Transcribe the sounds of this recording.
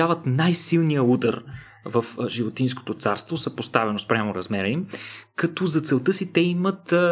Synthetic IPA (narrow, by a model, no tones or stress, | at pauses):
avət̪najsilˠnijəud̪ə̰ɾ | vəfʒivot̪insko̥t̪ot̪saɾst̪vosəpost̪avɛnospɾʲamoɾɐzmɛɾəimkɐt̪ɔzɐt̪sɛlˠt̪ɤsit̪ɛimət̪